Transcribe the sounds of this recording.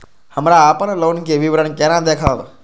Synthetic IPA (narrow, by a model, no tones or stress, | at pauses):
həmɾaːpənloːnkeʋiʋɾəɳkeɾãd̪eːkʰaʋə